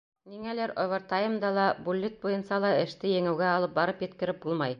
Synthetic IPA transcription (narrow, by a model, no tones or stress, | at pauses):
niŋælæɾŏβɤ̆ɾt̪ɑjɤ̆md̪ɑlˠɑbulʲːet̪̚bujɤ̆nsɑlˠɑɘ̆ʃt̪ɘjɘ̆ŋɘ̆wɡæɑlˠɤp̚bɑɾɤpjɘ̆t̪kɘ̆ɾɘp̚bulˠmɑj